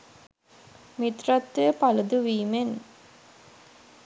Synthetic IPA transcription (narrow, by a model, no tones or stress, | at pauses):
mit̪rat̪ːejəpalud̪uʋiːmen